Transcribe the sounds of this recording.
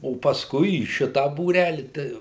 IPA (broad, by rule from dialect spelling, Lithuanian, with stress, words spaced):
oː pɐsˈkʊɪ iː ˈʃʲɪtɐ buːˈrʲælʲɪ tɐɪ